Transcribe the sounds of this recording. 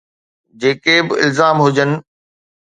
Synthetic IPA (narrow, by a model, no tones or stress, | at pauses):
d͡ʑeːkebɪɪ̰lzaːmɦʊd͡ʑənɪ̆